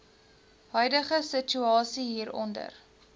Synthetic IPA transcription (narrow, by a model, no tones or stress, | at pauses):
ɦœɥdəχəsət͡ʃyɑːsiɦiːɾɔ̰ndə̰r